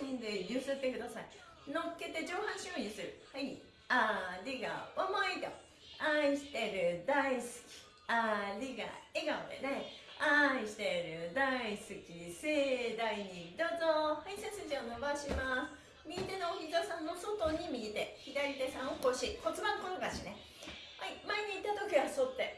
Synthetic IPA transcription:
ɲĩnd̪ejɯːsɨt̪ːe̞kɯ̟d̪asai | no̞kːe̞t̪e̞d͡ʑo̞ːhãɰ̃ɕɨ̃ːĩsɨɾɯ̟hai | aɾʲiɡa̰βamait̪o̰ | aiɕi̥t̪e̞ɾɯ̟d̪aisɨ̥kʲi̥ | aɾʲiɡa̰eɡao̰d̪ḛneaiɕi̥t̪e̞ɾɯ̟d̪aisɨkʲised̪aiɲ̟id̪ot̪ohaisesɨʑiono̞baɕimasɨ̥ | mʲiit̪e̞noːçizosãmːoso̞t̪o̞ɲ̟imʲiit̪e̞çid̪aɾʲit̪e̞sãɰ̃okoɕiko̞t͡sɨbãnkonoɡaɕine | haimaeɲ̟iːt̪ːat̪o̞kʲiβasot̪ːe̞

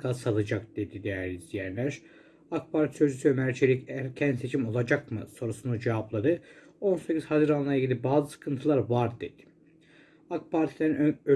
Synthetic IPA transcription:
kʰasalˠɯd͡ʒak̚d̪e̞d̪id̪ejæɾʲizd̪ijæɾlʲæɾ | ak̚pʰaɾt̪ʰisø̞zysyømæɾt͡ʃʰeɾicæɾcʰænd̪se̞t͡ʃʰimo̞lˠad͡ʒakmɯ̰so̞ɾusunud͡ʒevaplˠaɾɯo̞nsecʰʲiz̥hazɯɾanlˠajaɟilʲibaːzɯsɯ̥kʰɯnt̪ʰɯlˠaɾvaɾd̪e̞d̪̥i̥ | ak̚pʰaɾt̪ʰilʲeɾinø

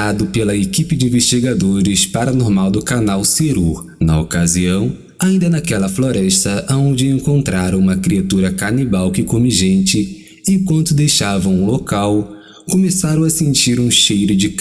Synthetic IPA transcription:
ad̪ʊpelɐekipɪd͡ʒɪĩveʃt͡ʃiɡad̪oɾɪspaɾɐnoɾmawd̪ʊkanawseɾu | nɐokaziɐ̃w̃ | aĩnd̪ɐnɐkɛlɐfloɾɛʃt̪ɐʔaõnd͡ʒɪẽŋkõnt̪ɾaɾɐ̃ũmɐkɾiat̪uɾɐkanibawkɪkõmiʒẽnt͡ʃɪ | ikwɐ̃nt̪ʊd̪ejʃavɐ̃w̃ũlokaw | kõmesaɾɐ̃w̃ɐsẽnt͡ʃiɾũʃejɾʊd͡ʒɪk

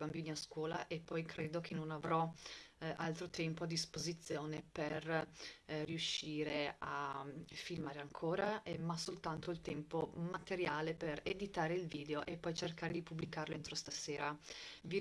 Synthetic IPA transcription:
bambiːniaskwɔːla̰ʔepːɔjkʰɾeːd̪ok̟ʰenːonavɾɔ | a̰lt̪ɾot̪ɛmpoad̪ːispozit̪sːjoːneper | riuʃːiːɾeafilmaːɾeaŋkʰoːɾamasolt̪ant̪oilt̪ɛmpomat̪eɾjaːlepered̪it̪aːɾeilviːd̪eoʔepːɔjt͡ʃerkaːɾed̪ipubːlikaːɾloent̪ɾost̪aseːɾavi

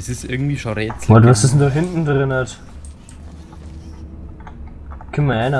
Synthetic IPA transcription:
sɪstʔɪɐɡŋ̩tviːʃonʁɛt͡sɔtvasɪstn̩daːɦɪntn̩dʁɪnɐt | kʰɛnmɐaɪna

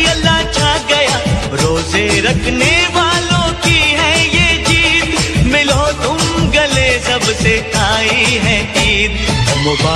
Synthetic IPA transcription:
ɐlːat͡ʃʰaɡɐjaː | ɾoːzeɾɐkʰneʋaːlõkiɦɛjeːd͡ʒiːt̪mɪlot̪ʊmɡɐlesɐbset̪ʰaːiɦɛɦiːd̪mʊbaː

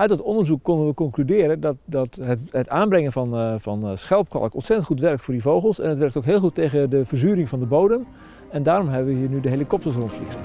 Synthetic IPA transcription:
œɥt̚dɑtɔndəɹzukːɔndənʋəkɔŋklydɪːɾədɔtdɔtəətaːnbrɛŋənvɑnvɑnsxɛlˠp̚kɑ̰lˠəkɔ̰nsɛtəntχutʋɛrk̚tfoːɹdivowɣəlˠsɛ̰nətʋɛrktowkɦɪːlˠxutːejɣədəvərzyːɾɪŋvɑndəbowdəm | ɛndaːɾɔmɦɛbəʋəɦiːɹnydəɦelikɔp̚təɹsrontflix

